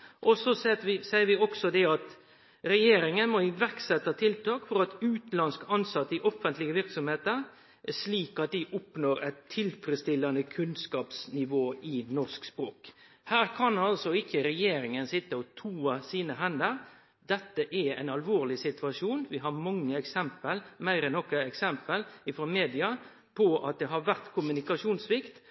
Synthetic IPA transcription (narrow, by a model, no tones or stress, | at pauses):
ʔɔsɔsɛʋɪsæɪəɾʋɪɔksɔd̪ɛɑt̪ | ɾɛjeːɾɪŋənmɔɪʋæɾksɛt̪ːɑt̪ʰɪlt̪ʰɑːkfɔɾɑt̪ʉːt̪lɑnskɑnsɑt̪ːəɪʔɔfənt̪lɪɡəʋɪɾksɔmheːt̪əɾ | ʂliːkɑt̪̚d̪ɪʔʊpnoːɾɛt̪ʰːɪlfɾɛst̪ɪlːɑnəkʰʉnskɑːpsnɪʋoːɪnɔʂkspɾoːk | hæːɾkʰɑnɑlsɔɪçəɾɛjeːɾɪŋənsɪt̪ːəɔt̪ʰuːɑsiːnəɦɛnd̪əɾ | d̪ɛt̪ːəʔɛæɪnɑlʋoːɾlɪsɪt̪ʰʉɑʂuːnʋɪɦɑɾmɑŋːəɛksɛmpəlmæɪɾɛnːɔkəɛksɛmpəlɪfɾɔmeːd̪ɪɑ | pʰɔʔɑt̪̚d̪ɛɦɑɾʋæɾt̪kʰʊmʉnɪkɑʂuːnsʋɪkt̪